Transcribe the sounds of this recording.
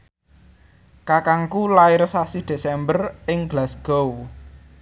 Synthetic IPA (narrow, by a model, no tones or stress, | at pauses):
kakaŋkulaɪɾsasid̪̥e̤sɛmbərɪŋɡlasɡ̥ow